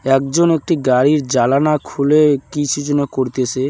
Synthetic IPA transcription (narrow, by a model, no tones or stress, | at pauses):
ɛkd͡ʑonek̚ʈiɡaɾiɾd͡ʑalanakʰulekit͡ɕʰud͡ʑonekoɾt̪et͡ɕʰe